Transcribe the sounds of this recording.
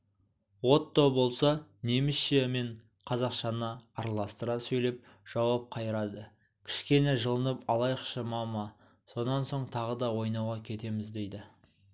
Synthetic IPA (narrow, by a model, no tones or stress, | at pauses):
wo̞t̪ːowbo̞lˠsɑne̞mɪsʃeme̞ɴ | qʰɑzɑqʃɑnəːɾɑlˠɑst̪əɾɑsɵjle̞p̚ | ʒ̥ɑwɑp̚qʰɑjəɾɑd̪ə | kʲʰɪ̥ʃkʲe̞ne̞ʒəlˠənəpɑlˠɑjqʃəmɑmɑ | so̞nɑnso̞ɴt̪ʰɑʁəd̪ɑwo̞jnɑwʁɑkʲʰe̞t̪e̞mɪzd̪e̞jd̪ɪ